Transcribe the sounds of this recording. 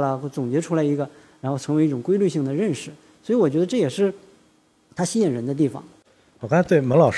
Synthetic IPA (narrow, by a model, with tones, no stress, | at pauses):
lə˧˥˧t͡sʊ˨˩ŋt͡ɕɥɛ˧˥ʈ͡ʂʰu˥la˧˥ɪi˧˥ɡə˧ | ɻa˧˥nxʰɤ˧˥ŋwe˧˥ɪi˥˩ʈ͡ʂʊ˨˩ŋkwe˥ɪly˥˧ɕi˥˩ŋd̪ə˩ɻə˥˩nʂɻ̩˨˩ | swi˧˥wɔ˨˩t͡ɕɥɛ˧˥ə˧ʈ͡ʂɤ˥˩jɛ˨˩ʂɻ̩˥˩ | t̪ʰa˥ɕi˥ɛ˨˩ɻə˧˥nd̪ə˧t̪i˥˩fɑ̰˨˩ŋ˨˩ | kʰt̪we˥˩ɪmə˧˥ŋlɑ˨˩ʊʂ